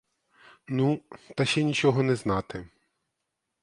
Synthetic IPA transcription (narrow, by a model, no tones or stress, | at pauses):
nut̪ɐʃʲɛnʲit͡ʃɔɦɔnɛznɑt̪ɪ